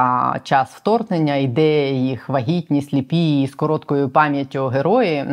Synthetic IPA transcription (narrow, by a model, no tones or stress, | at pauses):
t͡ʃɑsft̪ɔrnenʲːɐid̪ɛjɛjixʋɐɦʲitʲnʲisʲlʲipʲiːskɔɾɔt̪kɔjʊpɑmʲjɐtʲːʊɦeɾɔjɪ